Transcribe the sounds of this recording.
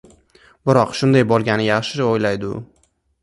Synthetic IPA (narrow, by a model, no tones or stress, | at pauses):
bɪɾɒqʃʊnd̪ajbɒlˠɡʲanɪjaχʃɪojlajd̪ʊ